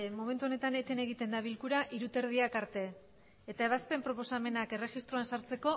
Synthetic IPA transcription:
mo̞me̞nt̪uo̞ne̞t̪ane̞t̪e̞ne̞ɣ̞it̪e̞nd̪aβ̞ilkuɾaʔiɾut̪e̞ɾðiakaɾt̪e̞ː | t̪ae̞βaspe̞mpɾo̞po̞same̞nake̞re̞xist̪ɾoansaɾt͡se̞ko̞

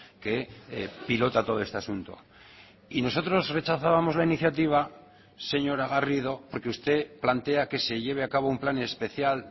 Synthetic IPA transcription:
ke̞pilo̞t̪at̪o̞ð̞o̞est̪asunt̪o̞̰ | ino̞s̬o̞t̪ɾo̞zre̞t͡ʃaθaβamo̞zlainiθjat̪iβ̞a | se̞ɲo̞ɾaɣarið̞o̞po̞ɾkeust̪e̞plant̪e̞ake̞se̞ʝe̞β̞e̞akaβoumplanespe̞θjal

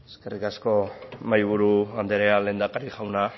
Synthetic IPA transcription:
eske̞rikasko̞majβ̞uɾuand̪eɾeale̞ːnd̪akaɾiʝawna

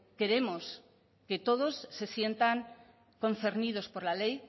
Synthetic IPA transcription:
ke̞ɾe̞mo̞s | ke̞t̪o̞ð̞o̞sːe̞sje̞nt̪aŋ | ko̞n̟θe̞ɾnið̞o̞spo̞ɾlale̞j

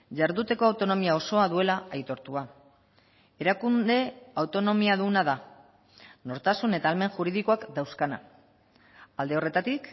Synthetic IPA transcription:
ʝaɾðut̪e̞ko̞awt̪o̞no̞miao̞so̞aðue̞laajt̪o̞ɾt̪ua | e̞ɾakund̪e̞awt̪o̞no̞miaðunaða | no̞ɾt̪asune̞t̪aːlme̞ŋʝuɾiðiko̞akd̪awskana̰ | ald̪e̞o̞re̞t̪at̪ik

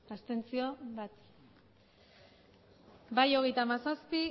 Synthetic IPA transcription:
ast̪e̞nt͡sio̞βat̪ | bajo̞ɣ̞e̞jt̪amasaspi

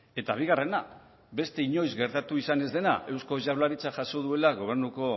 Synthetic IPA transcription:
e̞t̪aβ̞iɣ̞are̞na | be̞st̪e̞iɲo̞jzɣe̞ɾt̪at̪uisane̞zðe̞na̰e̞wsko̞ʝaβlaɾit͡saʝaso̞ð̞ue̞laɣ̞o̞β̞e̞ɾnuko̞

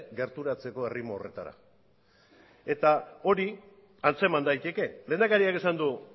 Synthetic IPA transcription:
ɡe̞ɾt̪uɾat͡se̞ko̞e̞rimoːre̞t̪a̰ɾa̰ | e̞t̪ao̞ɾi | ant͡se̞mand̪ajt̪e̞ke̞le̞ːnd̪akaɾiake̞sand̪u

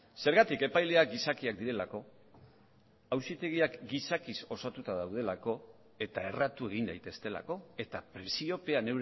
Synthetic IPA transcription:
se̞ɾɣat̪ike̞pajle̞ak̚ɡisakiak̚d̪iɾe̞lako̞ | awsit̪e̞ɣ̞iakɡisakiso̞sat̪ut̪aðawð̞e̞lako̞ | e̞t̪ae̞rat̪ue̞ɣ̞ind̪ajt̪e̞st̪e̞la̰ko̞e̞t̪apɾe̞sio̞pe̞ane̞wɾ

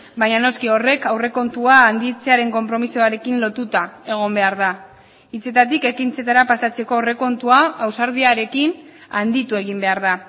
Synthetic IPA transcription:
bajɲano̞skio̞re̞kawre̞ko̞nt̪uaːnd̪it͡se̞aɾe̞ŋko̞mpɾo̞misoaɾe̞kinlo̞t̪ut̪ae̞ɣ̞o̞mbe̞aɾða | it͡se̞t̪at̪ike̞kint͡se̞t̪aɾapasat͡se̞ko̞ore̞ko̞nt̪uaːwsaɾð̞iaɾe̞kinand̪it̪ue̞ɣ̞imbe̞aɾða

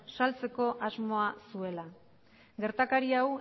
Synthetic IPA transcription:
salt͡se̞ko̞ʔazmo̞asue̞la | ɡe̞ɾt̪akaɾiaw

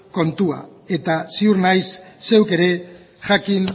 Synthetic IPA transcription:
ko̞nt̪ua̰e̞t̪asiuɾnajsːe̞wke̞ɾe̞ | ʝakin

